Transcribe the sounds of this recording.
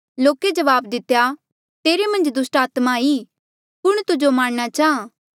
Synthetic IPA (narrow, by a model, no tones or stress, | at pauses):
loːked͡ʒɐʋaːbd̪ɪt̪ːeja | t̪eːɾemɐ̃nd͡ʒd̪ʊsʈaːt̪mai | pʊɽ̃t̪ʊd͡ʒomaːɽ̃ñat͡ʃaːãː